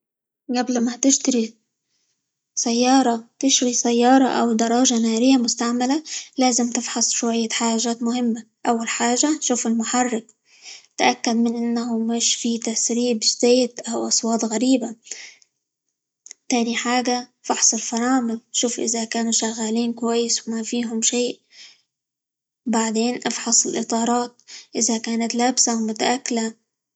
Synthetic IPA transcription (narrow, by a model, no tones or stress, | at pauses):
ɡablmat̪ɪʃt̪aɾi | sajːɑːɾˤɑt̪ɪʃɾisajːɑːɾˤɑʔa̰wd̪ɑɾˤɑːʒanaːɾɪjːamʊst̪aʕmalalaːzɪmt̪ɪfħɑsˤʃʊwajːaħaːʒaːt̪mʊhɪmːa | ʔawːalħaːʒaʃuːfɪlmʊħɑrˤːɪk | t̪aʔakːad̪mɪnʔɪnːahʊmɪʃfit̪asɾiːbt̪eːd̪ʔawʔɑsˤwɑːt̪ˤɣaɾiːba | t̪aːniħaːɡafɑħsˤɪlfɑɾˤɑːmaʃuːfʔɪzakaːnuʃaɣːaːliːnkwajːɪswɪmafiːɦʊmʃeːʔ | baʕd̪eːnʔɑfħɑsˤɪlʔɨt̪ˤɑːɾˤɑːt̪̚ʔɪzakaːnat̪laːbsamʊt̪aʔakːla